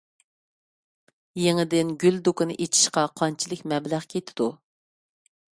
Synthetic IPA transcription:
jeŋɪd̪ɪnɡʲyld̪ukɨnɨ̰ʔet͡ʃʰi̥ʃqɑqʰɑnt͡ʃʰilˠɪkʲmɛblæχkʲʰet̪ʰɪ̥d̪u

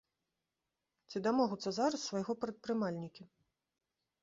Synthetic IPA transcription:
t͡sʲid̪amɔɣut̪sːɐzaɾɐsːvajɣɔpɾɐt̪̚pɾɨmalʲnʲikʲi

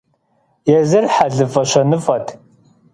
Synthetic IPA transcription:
jɛzɨrħaɮɨfɐɕɐnɨfɐtʰ

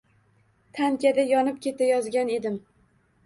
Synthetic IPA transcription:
t̪ʰankʲad̪ajɒnɪp̚kʲʰe̞t̪ʰajɒzɡʲane̞d̪ɪm

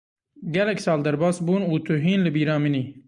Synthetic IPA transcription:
ɡælɛkʲsaːld̪ɐɾbasbunuːt̪ʰuɦiːnləbiːɾaːmini

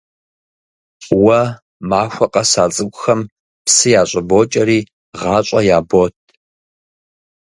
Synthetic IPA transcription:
wɐ | maːxʷɐqʼɐsaːt͡sʼɨɡʷʊxɐm | psɨjaːɕʼɐboːt͡ʃʼɐɾiː | ʁɑːɕʷʼɐjaːboːtʰ

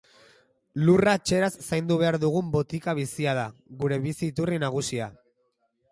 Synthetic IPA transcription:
luraet͡ʃe̞ɾasːajnd̪uβ̞e̞aɾðuɣ̞umbo̞t̪ikaβ̞isiað̞aɣuɾe̞βisiːt̪urinaɣ̞usia

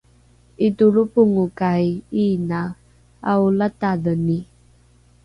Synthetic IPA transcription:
ituɭupuŋukajina | aulataðəni

